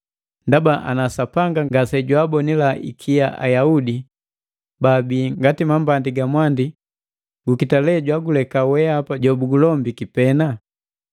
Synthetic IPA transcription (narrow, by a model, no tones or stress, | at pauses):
ndabaʔa̰nasapaŋɡaŋɡasɛɟwaːbɔnilaʔḭkʰijaʔa̰jaudi | babiːŋɡatimambandiɡamwandi | ɡukitalɛɟwaɡulɛkawɛapaɟɔbuɡulɔmbikipɛna